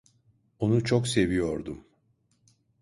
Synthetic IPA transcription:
o̞nut͡ʃʰokse̞vijo̞ɾd̪um

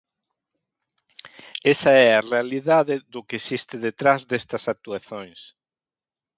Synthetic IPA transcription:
esɐɛarealiðaðɪðʊkeesist̪ɪðet̪ɾazðest̪ɐsak̚t̪uaθõŋs

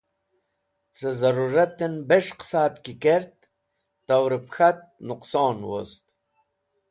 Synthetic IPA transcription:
t͡səzaɾuɾat̪ːenbeʂqsaːt̪kikeɾt̪̚ː | awɾipxat̪̚nuqsoːnwo̰st̪

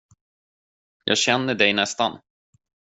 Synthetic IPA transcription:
jʔɑ̰ːɡɕɛnːəɖɛjnɛst̪an

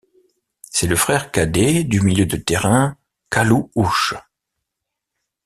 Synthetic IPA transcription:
sɛləfχɛʁkad̪ed̪ymiljød̪ət̪eʁɛ̃ | kaluuʃ

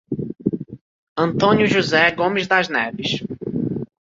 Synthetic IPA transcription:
ɐ̃nt̪õnjuʒuzɛɡõmɪzd̪ɐznɛvɪʃ

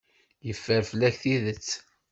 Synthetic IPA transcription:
jəfːəɾfəlːæçθiðət͡sː

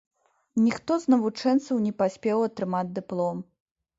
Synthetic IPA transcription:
nʲixt̪ɔznɐvut͡ʂɛnt̪sɐwnʲɛpasʲpʲɛwɐt̪ɾɨmad͡zʲd̪ɨplˠɔm

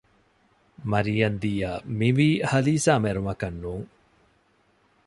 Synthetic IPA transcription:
mɐɾijɐnd̪iːjaːmiʋiːhɐliːsaːmeɾumɐkɐnːuːŋ

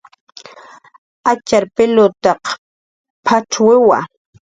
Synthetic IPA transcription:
at͡ʃaɾpɪlʊt̪ɑq | pʰaʈ͡ʂwɪwa̰

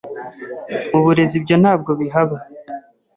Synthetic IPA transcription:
muβuɾe̞zibɟo̞nhaːb̚ɡo̞βiɦaβa

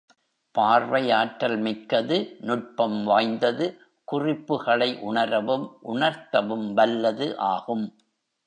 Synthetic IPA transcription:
paːɾʋɐjaːʈːɐlmɪkːɐðɯnʊʈ̚pɐmʋaːjnd̪ɐðɯ | kʊrɪpːɯɣɐɭɐɪʔʊɳɐɾɐʋɯmʔʊɳɐɾt̪ɐʋɯmʋɐlːɐðɯʔaːɣɯm

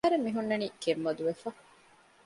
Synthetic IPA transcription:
ɐɾemːiɦunːɐniːkemʋɐd̪uʋefɐ

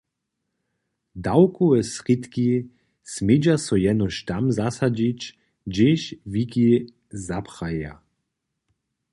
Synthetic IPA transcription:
d̪awkuɛsʁit̪ki | smed͡ʒasɔjɛnɔʃt̪amzasad͡ʑit͡ʃ | d͡ʒeʃviki | zapχaja̰

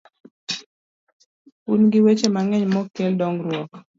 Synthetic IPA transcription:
unɡɪwet͡ʃemaŋɛɲmɔkːeldɔŋɾwɔt

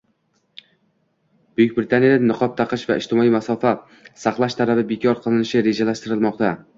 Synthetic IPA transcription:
b̥ʊjɪk̚ʲbɾɪt̪anijad̪anːɨqʰɒp̚t̪ʰɑqɨʃvaɪʃt̪ɪmɒimasɒfa | saqlˠaʃt̪ʰalabɪbekʲʰɒɾqʰɨlˠɪnɪʃɪɾe̞d͡ʒalaʃt̪ɪɾɪlˠmɒqt̪ʰa

